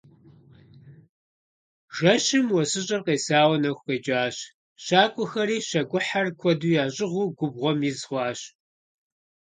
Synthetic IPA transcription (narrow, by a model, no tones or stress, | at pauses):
ʒ̥ɐɕɪmwɔsɨɕʼɐrqeːsaːwɐnɐxʷxeːd͡ʒʼaːɕ | ɕaːkʷʼʊxɐɾiːɕɐɡʷʼʊħarkʷʰɔduːjaːɕʼɪʁʷuːɡʷʊbʁʷɔmjizʁʷɑːɕ